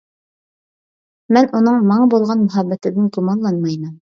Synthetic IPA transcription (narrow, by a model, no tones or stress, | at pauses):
mɘnʔunɤɴmɑɴbulˠʁɑnmɵ̆ɦæbːæt̪ɘ̆nɘŋq̪umɑnlˠɑnmɑjnɤm